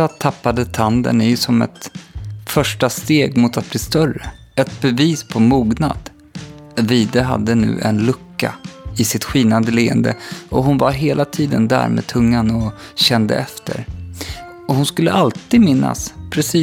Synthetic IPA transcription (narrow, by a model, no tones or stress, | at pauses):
at̪ʰapːad̪ət̪ʰand̪ə̰nɪjsɔmɛ̰t̪fœʂʈast̪eːɡmʊt̪at̪̚bliːst̪œrə | ɛt̪bɛviːspʰɔmuːɡna̰d̪ | viːd̪əɦa̰d̪ːənʉ̟̰ːʔɛnlɵkːa̰ɪsɪt̪ɧiːnand̪əleːə̰nd̪ə̰ɔɦʊnvaɾɦeːlʔat̪ʰiːd̪ənd̪æ̰ːɾmḛːd̪̚t̪ʰɵŋːanɔ | ɕɛnd̪ə̰ɛft̪ʰə̰ɾ | ɔhʊnskɵlːə̰ʔalt̪ʰiːd̪mɪnːa̰spʰɾɛsiː